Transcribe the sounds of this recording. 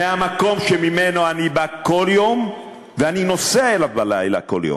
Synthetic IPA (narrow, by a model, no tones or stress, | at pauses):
eamako̞mʃemimeno̞anibako̞ljo̞m | veanino̞seaelavbala̰jla̰ko̞̰ljo̰m